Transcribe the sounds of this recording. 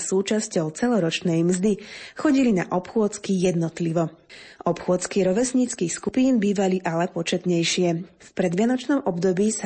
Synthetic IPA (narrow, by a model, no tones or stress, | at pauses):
suːt͡ʃascɔʊt͡sɛlɔɾɔt͡ʃnɛjmzd̪ixɔɟilina̰ʔɔpxʊɔt͡skijɛd̪nɔt̪liʋɔ | ʔɔpxʊɔt͡skiɾɔʋɛsɲiːt͡skiːxskupiːnbiːʋaliʔalɛpɔt͡ʃɛt̪ɲɛjʃɪɛfpɾɛd̪ʋɪanɔt͡ʃnɔmʔɔbd̪ɔbiːsa